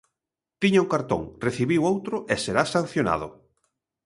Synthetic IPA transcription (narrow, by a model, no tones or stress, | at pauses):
t̪iɲauŋkaɾt̪õ̰ŋreθiβiwowt̪ɾʊʔeseɾasan̟θjona̰ðʊ̰